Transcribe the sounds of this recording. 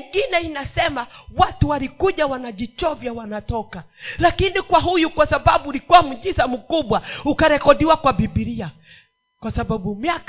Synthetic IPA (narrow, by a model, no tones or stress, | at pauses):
ŋɡinɛinasɛmawatuwalikuʄawanaʄit͡ʃɔvjawanatɔkalakinikwaɦujukwasaɓaɓuːlikuwam̩ʄisamukuɓwaukaɾɛkɔɗiwakwaɓiɓiɾia | kwasaɓaɓumiak